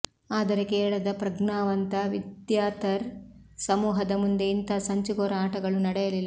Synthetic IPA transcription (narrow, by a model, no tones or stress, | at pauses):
aːd̪ɐɾekeːɭɐd̪ɐpɾɐɡɳaːʋɐnt̪ɐʋid̪jaːt̪ɐɾsɐmuːɦɐd̪ɐmund̪e̞int̪ɐsɐɲt͡ʃuɡoːɾɐaːʈɐɡɐɭunɐɽɛjɐlilːɐ